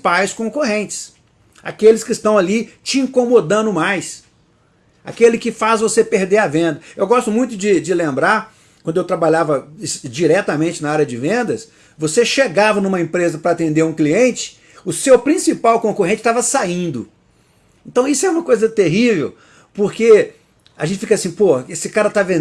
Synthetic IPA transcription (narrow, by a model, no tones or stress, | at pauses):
pajskõkoɦẽnt͡ʃɪ̥s | a̰kelɪskɪːst̪ɐ̃w̃alit͡ʃɪĩkomod̪ɐ̃nʊmajs | a̰kelɪkɪfazvosepeɾd̪eɾɐvẽnd̪ɐewɡɔst̪ʊmũj̃t̪ʊd͡ʒɪd͡ʒɪlẽmbɾaɾ | kwɐ̃nd̪ʊewt̪ɾabalavɐsd͡ʒiɾɛt̪ɐmẽnt͡ʃɪnɐaɾjɐd͡ʒɪvẽnd̪ɐs | voseʃeɡavɐnũmɐẽpɾezɐpɾɐaːt̪ẽnd̪eɾũkliẽnt͡ʃɪ̥ | ʊsewpɾĩsipawkõkoɦẽnt͡ʃɪ̥t̪avɐsaĩnd̪ʊ | ẽnt̪ɐ̃w̃isʊɛũmɐkojzɐt̪eɦivew | poɾke | a̰ʒẽnt͡ʃɪfikɐasĩpohɐesɪkaɾɐt̪avẽ